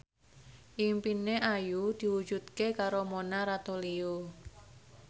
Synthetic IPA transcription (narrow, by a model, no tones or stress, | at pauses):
ʔimpineʔajud̪̥i̤wu̥ʒ̥ut̪kekaɾomonaɾat̪olio